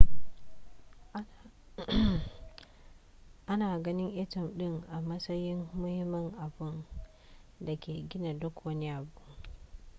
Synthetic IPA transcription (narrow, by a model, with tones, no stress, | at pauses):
ʔa˦naː˨ɡɐ˦nɪ˦ŋʔɛ˦tɐ˨mɗɪ˦ŋʔa˨mɐ˦sɐ˦jɪ˦mːʊ˦hɪ˦mɐ˦ŋʔa˨bɪ˦n | da˨kʲʰeː˨ɡʲɪ˦na˨dʊ˦kwɐ˦ni˦ʔa˨bʊ˦ʔ